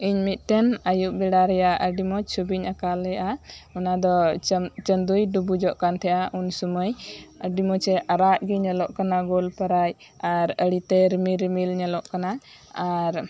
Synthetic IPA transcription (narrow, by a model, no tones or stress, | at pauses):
iɲmit̪̚t̪ɛnajuʔbɛɽaɾɛjaəɖimɔt͡ʃʰubiɲakalɛjʔaɔnad̪ɔt͡ʃənd̪ujɖubud͡ʒɔʔkant̪ʰɛʔaʔunsuməjəɖimɔt͡ʃɛʔaɾaʔɡiɲɛlɔʔkanaɡɔlpəɾaj | aɾəɽit̪ɛɾmiɾmilɲɛlɔʔkanaaɾ